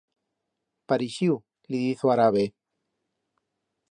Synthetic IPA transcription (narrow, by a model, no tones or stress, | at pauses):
paɾiʃiw | liðiθoaɾaβe